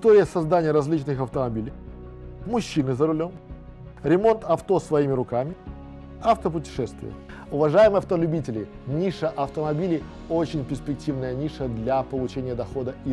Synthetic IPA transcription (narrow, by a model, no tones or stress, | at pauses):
ɪst̪oɾʲɪjəsɐzd̪anʲɪjəɾɐzʲlʲit͡ɕnɨxɐft̪əmɐbʲilʲɪj | mʊɕːinɨzəɾʊlʲo̞m | ɾʲɪmo̞nt̪ɐft̪o̞svɐimʲɪɾʊkamʲɪ | ɐft̪əp̬ʊtʲɪ̥ʂɛst̪vʲɪ̰jə̰ | ʊvɐʐajɪmɨjɐft̪əlʲʉbʲitʲɪlʲɪ | nʲiʂəʔɐft̪əmɐbʲilʲɪ | ot͡ɕɪnʲpʲɪrsʲpʲɪk̚tʲivnəjənʲiʂəd̪lʲapəlˠʊt͡ɕenʲɪjəd̪ɐxo̞d̪əʔi